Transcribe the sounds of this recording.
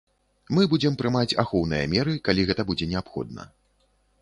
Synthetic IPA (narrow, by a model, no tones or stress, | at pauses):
mɨbud͡zʲɛmpɾɨmat͡sʲa̰xɔwn̪ɨjɐ̰mʲɛɾɨkalʲiɣɛt̪ɐbud͡zʲɛnʲɛapxɔ̰d̪̚nɐ̰